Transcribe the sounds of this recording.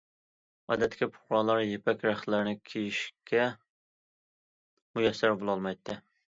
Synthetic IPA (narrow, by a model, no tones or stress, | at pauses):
ɑ̰ːd̪ɛt̪ːɪ̥kʲipʰʊ̥χɾɑːlˠɑɾjepʰɛkʲɾæχlɪɾnɪkʲʰejiʃkʲɛ | mujɛsːæɾbolˠɑlˠmɑjt̪ʰːɨ